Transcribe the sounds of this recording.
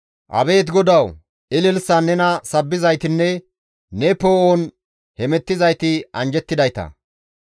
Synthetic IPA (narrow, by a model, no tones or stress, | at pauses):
ʔɐ̰be̞ːt̪ɡɔd̪ɐw | ɪlɪlsɐnːɛnɐsɐbːɪzɐjt̪ɪnːɛ | nɛpoːoːn | hɛmɛt̪ːɪzɐjt̪ɪʔɐnd͡ʒɛt̪ːɪd̪ɐjt̪ɐ̰